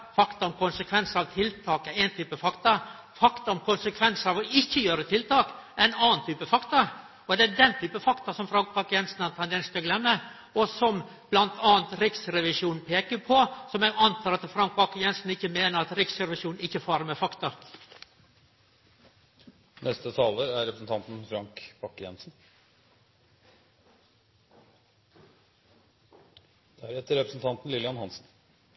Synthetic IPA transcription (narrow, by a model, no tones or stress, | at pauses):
fɑkt̪ɑɔmkʊnsəkʰʋɛnsɑʋt̪ʰɪlt̪ʰɑːkæɾæɪnt̪ʰyːpəfɑkt̪ɑ | fɑkt̪ɑɔmkʊnsəkʰʋɛnsɑʋɔɪçːəjøːɾət̪ʰɪlt̪ɑːkæɪnɑːnt̪ʰyːpəfɑkt̪ɑ | ɔd̪ɛæd̪ɛnt̪ʰyːpəfɑkt̪ɑsɔmfɾɑŋkbɑːkjɛnsn̩ɑnt̪ʰɑnd̪ɛnst̪øɡlɛmːə | ɔsɔm | b̥lɑnt̪ʰɑːnt̪ɾɪksɾɛʋɪʂuːnn̩pʰeːkəpʰɔsɔmɛɡɑnt̪ʰɑːɾɑt̪fɾɑŋk̚bɑkːəjɛnsn̩ɪçːəmeːnəɾɑt̪ɾɪksɾɛʋɪʂuːnn̩ɪçəfɑːɾəɾmɛfɑkt̪ɑ | nɛst̪ət̪ʰɑːləɾæɾɛpɾəsn̩t̪ʰɑnt̪n̩fɾɑŋkb̥ɑkːəjɛ̰nsn̩ | d̪̥ɛæɾɛt̪ːəɾɛpɾəsn̩t̪ʰɑnt̪n̩lɪlɪɑnhɑnsn̩